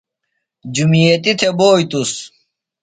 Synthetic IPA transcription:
d͡ʑumijet̪it̪ʰeboːjt̪us

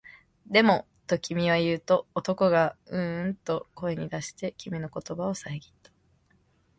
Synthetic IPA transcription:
d̪e̞mo̞ | t̪o̞kʲimʲiβ̞ajɯ̟ːt̪o̞ːt̪o̞ko̞ɡaɯ̟̃nt̪o̞ko̞e̞ɲ̟id̪aɕi̥t̪e̞kʲimʲino̞ko̞t̪o̞bao̞saiɡʲi̥t̪ːḁ

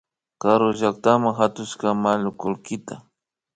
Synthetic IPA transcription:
kaɾʊʒak̚t̪amaŋɦat̪ʊʃkamalʊkʊlkɪt̪a

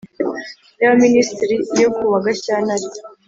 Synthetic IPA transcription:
jaβaministiɾinokʰuβaɡaçanaɾi̥

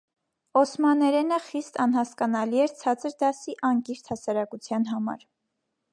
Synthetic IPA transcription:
ɔsmɑnɛɾɛnəχist̪ɑnhɑskɑnɑliɛɾt͡sʰɑt͡səɾd̪ɑsiʔɑŋkiɾt̪ʰhɑsɑɾɑkut͡sʰjɑn̪ɦɑmɑ̰ɾ

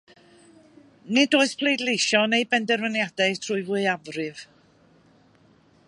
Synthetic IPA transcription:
nɪdoːɨspʰl̥ˠejdlejʃɔnejbɛndɛrvənjad̥ɛtʰr̥uːɨvʊɨavrɨv̥

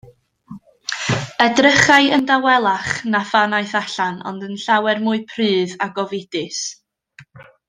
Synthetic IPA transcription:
ədrəχaɨəndawɛlˠaχnafanaɨθaɬanɔ̰ndənɬawɛrmʊɨpʰrɨːðaɡɔvɪdɨs

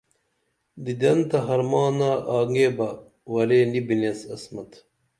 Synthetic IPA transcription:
d̪id̪ɐnt̪ɐɦɐɾmɑːnaːʔaːŋɡeːbɐ | wɐleːnibinesɐsmɐt̪ʰ

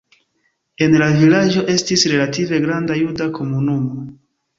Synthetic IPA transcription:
e̞nlavilad͡ʒo̞ʔe̞stisɾe̞lative̞ɡɾandajudakʰo̞munumo̞

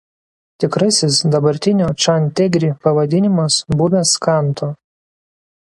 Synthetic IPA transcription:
t̪ʲɪkɾɐsʲɪsd̪ɐbɐɾʲt̪ʲɪnʲoːt͡ʃɐnʲt̪ʲɛɡʲɾʲiːpɐʋɐd̪ʲɪnʲɪmɐsbʊmʲɛskɑˑnˑt̪o

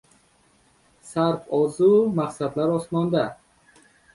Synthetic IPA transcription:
saɾfɔzumaqsad̪laɾɔsmɔnd̪a

